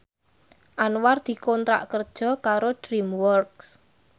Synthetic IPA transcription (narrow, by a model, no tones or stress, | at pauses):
ʔanward̪̥i̤kɔnt̪ɾa̰ʔkərd̥ʒ̥ɔ̤kaɾod̥ɾimwɔrks